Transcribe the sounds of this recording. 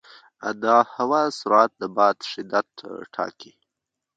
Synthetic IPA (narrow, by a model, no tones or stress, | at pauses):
a̰d̪ɑhawasʊɾat̪̚d̪əbɑːt̪ʃɪd̪at̪ʈʰɑ̰ki